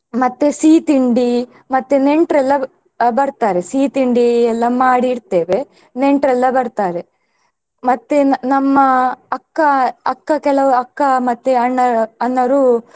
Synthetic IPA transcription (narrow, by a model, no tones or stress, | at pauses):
mɐt̪ːesiːt̪iɳɖi | mɐt̪ːeneɳʈɾɛlːɐ | bɐɾt̪aːɾesiːt̪iɳɖiɛlːɐmaːɽiɾt̪eːʋe | neɳʈɾɛlːɐbɐɾt̪aːɾe | mɐt̪ːenɐmːɐɐkːɐɐkːɐkɛlɐʋuɐkːɐmɐt̪ːeɐɳːɐɐnːɐɾu